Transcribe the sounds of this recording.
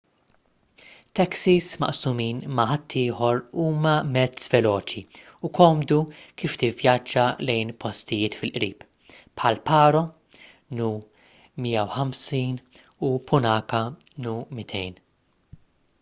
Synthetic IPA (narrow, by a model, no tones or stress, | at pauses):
t̪ɛksismɐ̰ʔsumiːnmɐħɐt̪ʰːɪːħɔɾuːmɐmɛt͡svɛlɔːt͡ʃiukɔːmd̪ukiːft̪ɪvjɐd͡ʒːɐlɛjnpɔst̪ɪjɪːt̪fɪlʔɾiːp | pħɐlpɐːɾɔ | nu | miːjɐwħɐmsiːn | upʊnɐːkɐnumɪt̪ʰɛjn